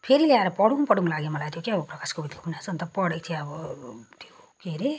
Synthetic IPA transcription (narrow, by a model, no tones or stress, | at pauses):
pʰeɾileaɾʌpʌɽuŋpʌɽuŋlaɡemʌlajt̪jokeʌbʌprʌkaskobit̪kopʰunjat͡sʰʌnt̪ʌpʌɽek̚t̪ʰieʌbʌt̪ʰo | keɾe